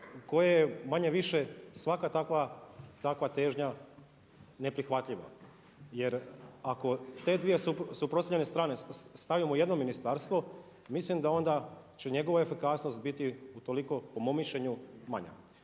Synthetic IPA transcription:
ko̞jejemaɲeʋiʃesʋakat̪akʋat̪akʋat̪e̞ːʒɲa | ne̞pɾixʋat̪ʎiʋa̰ | je̞ɾako̞t̪e̞d̪ʋije̞usupɾost̪aʎene̞st̪ɾaːnest̪aʋimoje̞d̪nominist̪aːɾst̪ʋo | mislimd̪ao̞nd̪a | t͡ɕe̞ɲe̞ɡo̞ʋae̞fikasno̞st̪̚bit̪iut̪o̞liko̞po̞momːiʃʎeɲumaɲa̰

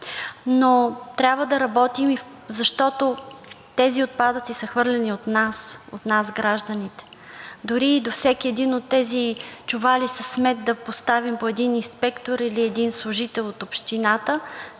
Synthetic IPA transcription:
not̪ɾʲabvəd̪ɐɾɐbɔt̪imi | zɐʃt̪ɔt̪ot̪ɛziot̪̚pad̪ət̪sisəxvɤɾlʲɛniot̪naso̰t̪nasɡɾaʒd̪ənit̪ɛ̥d̪ʊɾiːd̪ofsɛkiɛd̪inot̪ːɛzit͡ʃʊvalisəsmɛt̪̚d̪ɐpost̪avimpoɛd̪ininspɛkt̪oɾiliɛd̪inslˠʊʒit̪ɛlˠot̪opʃt̪inat̪ə

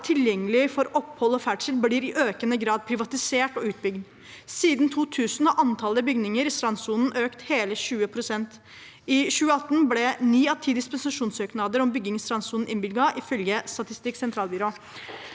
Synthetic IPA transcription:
t̪ʰɪljɛŋːəlɪfɔɾɔphɔlɔfæʈʂəlbliːɾɪʔøːkənəɡɾɑːd̪̚pʰɾɪʋɑt̪ɪseːʈɔʉːt̪̚bʏɡd̪ | siːd̪n̩t̪ʰuːt̪ʰʉːsn̩ɑʔɑnt̪ʰɑləbʏɡnɪŋəɾɪst̪ɾɑnsuːnn̩ʔøːkt̪heːləɕʉːəpʰɾʊsɛnt̪ | ɪɕʉːəɑt̪ːn̩blɛniːɑt̪ʰiːd̪ɪspɛnsɑʂuːnsøːknɑd̪əɾɔmbʏɡɪŋst̪ɾɑnsuːnn̩ɪnbɪlɡɑʔɪfœlɡəst̪ɑt̪ɪst̪ɪkːsɛnt̪ʰɾɑːlbʏɾoː

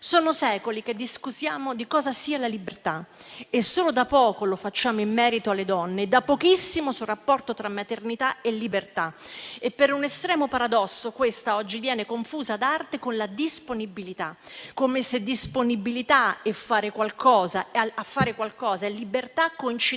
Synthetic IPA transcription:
soːnosɛːkolik̟ed̪ːiskusjaːmod̪ikɔːzasiːalalibert̪a | esːoːlod̪apːɔːkolofat͡ʃːaːmoimːɛːɾit̪oalːed̪ɔnːeːd̪ːapːokisːimosurapːɔrt̪ot̪ɾamːat̪ernit̪aelːibert̪aepːeɾunest̪ɾɛːmopaɾad̪ɔsːokwest̪aɔd͡ʒːivjɛːnekoɱfuːzad̪art̪ekonlad̪isponibilit̪a | kːomesed̪isponibilit̪aefːaːɾekwalkɔːzaafːaːɾekwalkɔːzaelːibert̪akːoint͡ʃi

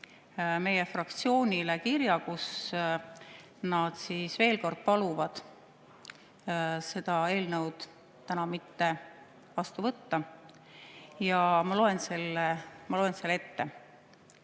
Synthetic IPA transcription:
me̞je̞frɑkt̪sio̞ːnʲilekiɾjɑkus | nɑd̪siːsve̞ːlko̞rd̪̥̚pɑluvɑd̪̥ | se̞d̪̥ɑe̞ːlnə̞wd̪̥ | t̪ænɑmit̪ːe̞ | vɑst̪uvɤt̪ːɑ | jɑmɑlo̞e̞nse̞lːemɑlo̞e̞nselːe̞t̪ːe̞

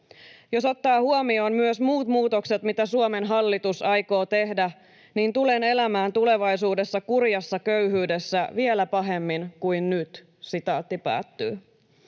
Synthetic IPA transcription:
jo̞so̞t̪ːɑːhuomio̞ːnmyøsmuːt̪muːt̪okse̞t̪mit̪æsuome̞nɦɑlːit̪usɑjko̞ːt̪e̞hdæ | niːnt̪ulene̞læmæːnt̪ule̞ʋɑjsuːde̞sːɑkurjɑsːɑkøyɦyːdesːæʋielæpɑɦemːinkujnnyt̪ | sit̪ɑːt̪ːipæ̰ːt̪ːy̰ː

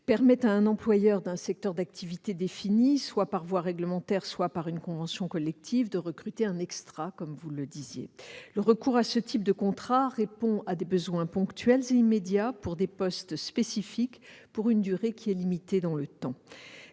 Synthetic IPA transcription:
pɛʁmɛt̪aɛ̃nɑ̃plwajœʁd̪ɛ̃sɛk̚t̪œʁd̪akt̪ʰivit̪ed̪efiniswapaʁvwaʁɛɡləmɑ̃t̪ɛʁswapaʁynkɔ̃vɑ̃sjɔ̃kɔlɛk̚t̪ʰivd̪əʁəkχyt̪eɛ̃nɛkst̪χakɔmvuləd̪izjḛləʁəkuʁasət̪ʰip̚d̪əkɔ̃t̪χaʁepɔ̃ad̪ebəzwɛ̃pɔ̃kt̪ɥɛlzeimed̪japuʁd̪epɔst̪spesifikpuʁynd̪yʁekʲʰiɛlimit̪ed̪ɑ̃lət̪ɑ̃

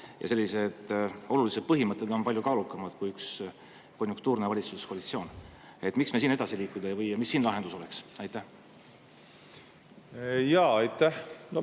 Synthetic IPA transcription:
jɑ̰se̞lːise̞d̪̥o̞lulise̞d̪̚pɤɦimɤt̪ːˑe̞d̪̥o̞npɑlʲjukɑːlukːˑɑmɑd̪̥kujyks | ko̞nʲjuŋkt̪uːrnevɑlʲit̪suskolit̪sio̞ːn | e̞t̪ːˑmiksme̞siːne̞d̪ɑsiliːkːud̪ejvɤjɑmisːiːnlɑɦe̞nd̪̥uso̞leksɑjt̪ˑːæh | jɑːɑjt̪ːæhno

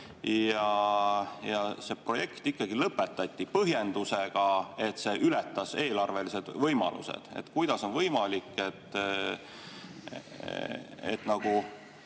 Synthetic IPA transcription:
jɑ | jɑse̞ːpro̞je̞kt̪ikːɑɡilɤpːˑe̞t̪ːˑɑt̪ʲˑːipɤɦje̞nd̪̥use̞ɡ̥ɑe̞t̪se̞ːʔylɛt̪ːˑɑse̞ːlɑrve̞lise̞d̪̥vɤjmɑ̰lʔṵsḛd̪̥ḛt̪kujd̪̥ɑso̞nvɤjmɑlikːˑe̞t̪ːˑ | ḛt̪ˑnɑɡ̥u

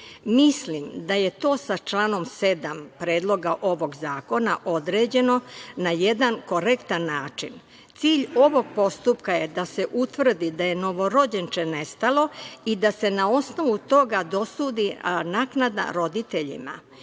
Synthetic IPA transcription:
mislimd̪aje̞t̪o̞ːsat͡ʃlaːno̞mse̞d̪ampɾe̞ːd̪lˠo̞ɡaʔo̞ʋo̞ɡzaːko̞naʔo̞d̪ɾe̞ːd͡ʑe̞no̞naje̞d̪anko̞ɾekt̪anːaːt͡ʃin | t̪siːʎo̞ʋo̞ɡ̚po̞st̪upkajed̪ase̞ʔut̪ʋr̩d̪id̪aje̞no̞ʋo̞ɾo̞d͡ʑent͡ʃe̞ne̞st̪alˠo̞id̪ase̞nao̞sno̞ʋut̪o̞ɡad̪o̞suːd̪inaːknad̪a̰ɾo̞d̪it̪e̞ʎḭma̰

